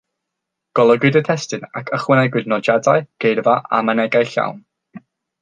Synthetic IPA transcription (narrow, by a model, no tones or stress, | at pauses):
ɡ̥ɔlˠəɡwɨdətʰɛstɨnakʰəχwənɛɡwɨdnɔd͡ʒadaɨɡ̥ejrvaʔa̰mənɛɡajɬa̰wn